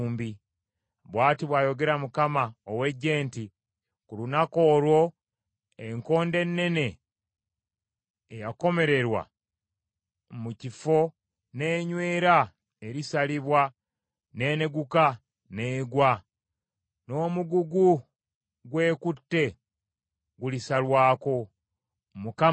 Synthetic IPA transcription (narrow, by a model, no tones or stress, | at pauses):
mbi | βwaːtiβwaːjo̞ɡe̞ɾamukamaowe̞ɟːe̞ːnti | kulunako̞ːlwo̞ | eŋko̞ːnde̞nːe̞ne̞ | jako̞me̞ɾe̞ɾwa̰ | mucifo̞ | ne̞ːɲwe̞ːɾa | e̞ɾisaliβwa | ne̞ːne̞ɡuka | ne̞ːɡwa | no̞ːmuɡuɡu | ɡwe̞ːkutːe̞ | ɡulisalwaːko̞ | muka